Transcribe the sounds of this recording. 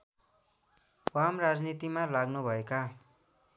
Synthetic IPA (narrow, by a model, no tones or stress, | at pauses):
wamrad͡znit̪imalaɡnubʱʌeka